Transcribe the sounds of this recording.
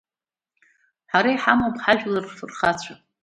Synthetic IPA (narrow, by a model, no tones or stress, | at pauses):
ħaɾajħamopʰʼħaʒᶣlarfɨrχat͡ɕʷʰa